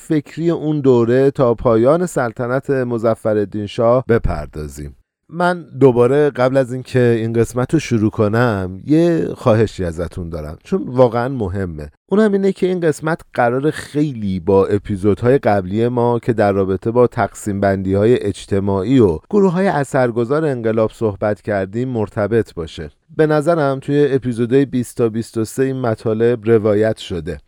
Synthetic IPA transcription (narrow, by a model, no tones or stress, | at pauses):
fe̞cʰɾijeʔund̪oːɾe̞t̪ʰɒːpʰɒːjɒːne̞sælt̪ʰænæt̪ʰe̞mo̞zæfːæɾe̞d̪ːinʃɒːhbe̞pʰæ̰ɾd̪ɒːzḭːm | mænd̪obɒːɾe̞ɢæblæzincʰe̞inɢe̞smæt̪ʰɾoʃuɾuːkʰo̞næmje̞xɒːɦe̞ʃiːæzæt̪ʰund̪ɒːɾæ̰mt͡ʃʰonvɒːɣeænmo̞ɦe̞mːe̞ʔuːnhæmiːnecʰe̞inɢe̞smæt̪ʰɢ̥æɾɒːɾe̞xe̞jliːbɒːʔe̞pʰizo̞d̪hɒːje̞ɡæblije̞mɒːcʰe̞d̪æɾːɒːbe̞t̪ʰe̞bɒːt̪ʰæɡsiːmbænd̪iːhɒːje̞ʔed͡ʒt̪ʰe̞mɒːʔiːoɡ̥oɾuɦɒːjeʔæsæɾɡo̞zɒːɾeeŋɢe̞lɒːb̥so̞hbæt̪ʰcʰæɾd̪iːmːoɾt̪ʰæbe̞t̪ʰbɒːʃe̞ | be̞næzæɾæmt̪ʰuje̞ːpʰizo̞d̪ɒːjebist̪ʰɒːbist̪o̞se̞iːnmæt̪ʰɒːle̞bɾe̞vɒːjæt̪ʰʃo̞d̪e̞